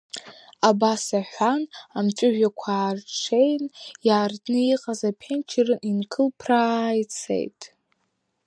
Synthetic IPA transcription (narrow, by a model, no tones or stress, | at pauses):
abasaħʷanamt͡ʃʷʼʊʒᶣakʷʰaːrʈ͡ʂʰe̞jnjaːrdnɨiqʼazapʰent͡ʃʰirɨninkʰɨlpʰrajt͡sʰḛjtʼ